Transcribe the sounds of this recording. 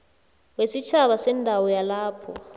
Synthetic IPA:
wesit͡ʃʰaβasɛndʱawɔjalaːpʰɔ

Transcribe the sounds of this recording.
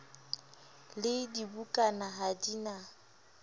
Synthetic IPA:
lɪdibukʼanaɦadina

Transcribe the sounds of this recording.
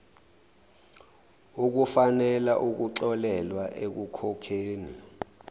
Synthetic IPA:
uk̬ufanɛlaʔuk̬uǀɔlɛlwaʔek̬ukʰɔkʰeːnḭ

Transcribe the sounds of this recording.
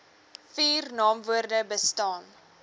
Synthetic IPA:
fiːrnɑːmvuərdəbəstɑːn

